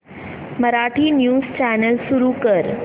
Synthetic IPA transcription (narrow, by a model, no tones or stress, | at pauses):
məɾaʈʰiːnjuːst͡ɕænəlsuɾukəɾ